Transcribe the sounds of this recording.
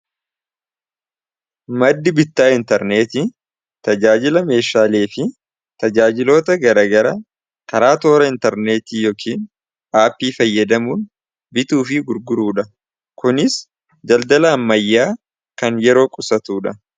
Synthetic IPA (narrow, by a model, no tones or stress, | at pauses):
mɐd̪ːɪbɪt̪ːaːɪnt̪ɛɾne̞ːt̪i | t̪ɐd͡ʒaːd͡ʒɪlɐme̞ːʃaːle̞ːfɪ | t̪ɐd͡ʒaːd͡ʒɪlo̞ːt̪ɐɡɐɾɐɡɐɾɐ | kʰɐɾaːt̪o̞ːɾɐɪnt̪ɛɾne̞ːt̪iːjoːkʰiːn | aːpːiːfɐjːɐd̪ɐmuːn | bɪt̪uːfɪɡʊɾɡʊɾuːᶑɐ | kʊnɪs | d͡ʒɐld̪ɐlɐːmːɐjːaː | kɐnjɛɾo̞ːkʼʊsɐt̪uːᶑɐ